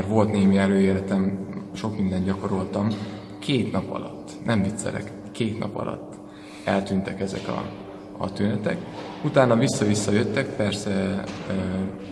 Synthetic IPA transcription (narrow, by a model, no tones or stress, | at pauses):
rʋo̞lt̪neːmiɛløːeːɾɛt̪ɛmʃo̞kmind̪ɛnd̪ɟɒko̞ɾo̞lt̪ɒm | kʰeːt̪nɒpɒ̰lɒ̰t̪ːnʔɛmvit̪sɛ̰ɾɛ̰k | kːeːt̪nɒ̰pɒ̰lɒ̰t̪ː | ɛlt̪yːnt̪ɛkɛzɛ̰kɒ̰ | ɒ̰t̪ynɛt̪ɛ̰k | ut̪aːnːɒvisːɒvisːɒjøt̪ːɛkpɛrsɛ